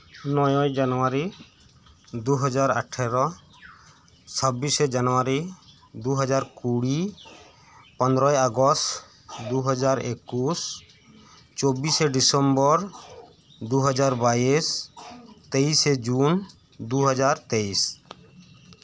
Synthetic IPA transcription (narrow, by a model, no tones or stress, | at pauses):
nɔjɔjd͡ʒanɔwaɾi | d̪uɦɔd͡ʒaɾa̰ʈʰɛɾɔ | t͡ʃʰɔbised͡ʒanɔwaɾi | d̪uɦɔd͡ʒaɾkuɽi | pɔnd̪ɾɔjɔɡɔst | d̪uɦɔd͡ʒaɾekus | t͡ʃobiseɖisɔmbɔɾ | d̪uɦɔd͡ʒaɾbais | t̪ejsed͡ʒun | d̪uɦɔd͡ʒaɾt̪ejs